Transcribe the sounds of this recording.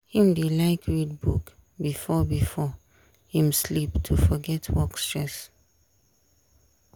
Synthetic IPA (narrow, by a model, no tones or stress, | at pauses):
hĩmdelaɪkʰɹid̚buk | bifɔbifɔ | hĩmsliptʰufɔɡɛtʰwɔkstɹɛs